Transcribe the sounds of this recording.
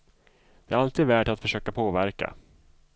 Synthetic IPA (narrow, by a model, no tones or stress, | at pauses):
d̪ɪæɾalt̪ʰiːd̪væːʈat̪fœʂøːkapʰoːvæɾka̰